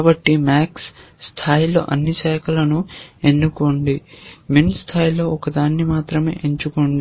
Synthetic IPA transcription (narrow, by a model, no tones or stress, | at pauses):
bɐʈːimaːksːt̪ʰaːjilo̞̰ːʔɐnːisɛːkʰɐlɐnue̞nːukoɳɖiminst̪ʰaːjilo̞ːɔkɐd̪aːnːimaːt̪ɾɐme̞̰ːʔeɲt͡ʃukoɳɖi